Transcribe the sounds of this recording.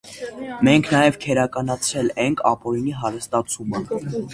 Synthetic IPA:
mɛŋkʰnɑjɛvkʰɛɾɑkɑnɑt͡sʰɾɛlɛŋkʰɑ̰pɔɾiniɦɑɾəst̪ɑt͡sʰumə

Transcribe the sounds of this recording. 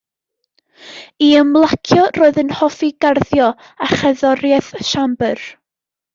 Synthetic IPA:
iəmlˠakʰjɔroːɨðənhɔfiɡarðjɔ | aχəðɔɾjɛθʃambər

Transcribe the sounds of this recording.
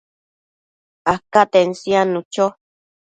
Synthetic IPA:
akat̪ensianũt͡ʃo

